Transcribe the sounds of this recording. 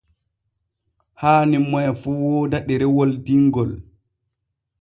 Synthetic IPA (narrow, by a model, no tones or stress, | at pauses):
haːnimɔjfuːwɔdaɗɛɾɛwoldiŋɡɔl